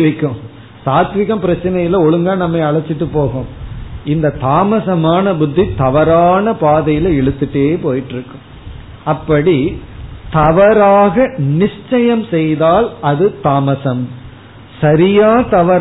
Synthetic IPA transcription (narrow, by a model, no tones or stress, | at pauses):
ʋɐɪkːɯ̃m | saːt̪ʋɪɣɐmpɪɾɐt͡ʃːɪnɐjɪlɐɔɭɯŋɡaːnɐmːɐɪɐɭɐt͡ʃːɪʈːɯpːoːɣomɪnd̪ɐt̪aːmɐsɐmaːnɐbʊd̪ʱːit̪ɐʋɐɾaːnɐpaːðɐjɪlɐɛɭɯt̪ːɯʈːeːpoːjɪʈːɪɾɯkːɯ̃m | ɐpːɐɽit̪ɐʋɐɾaːɣɐnɪʂt͡ʃːɐjɐmsɛjðaːlɐðɯt̪aːmɐsɐm | sɐɾɪjaːt̪ɐʋɐɾ